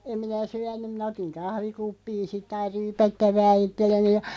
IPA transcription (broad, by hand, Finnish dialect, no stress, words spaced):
em minæ syænˑym mĭnæ otiŋ kɑhʋikupːiːn̞ sitˑ ɑir̆ ryːpætːæʋæː itːelːeni jɑ